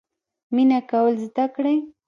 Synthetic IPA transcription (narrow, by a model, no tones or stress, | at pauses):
mɪnakawəlzɪt̪akɽaj